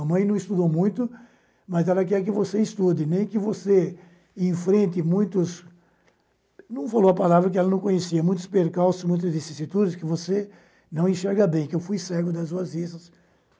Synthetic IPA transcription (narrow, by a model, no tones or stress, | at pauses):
ɐmɐ̃j̃nɐ̃w̃ɪst̪ud̪owmũj̃t̪ʊ | mɐzɛlɐk̬ɛɾk̬ɪvoseɪst̪ud̪ɪnẽj̃kɪvose | ẽfɾẽnt̪ɪmũj̃t̪ʊs | nɐ̃w̃falowɐpalavɾɐk̬ɪɛlɐnɐ̃w̃kõɲesiɐmũj̃t̪ʊ̥speɾkawsʊzmũj̃t̪ɐzvisisit̪ud̪ɪskɪvose | nɐ̃w̃ẽʃɛɾɡɐbẽj̃kɪewfujsɛɡʊd̪ɐzuɐzisɐs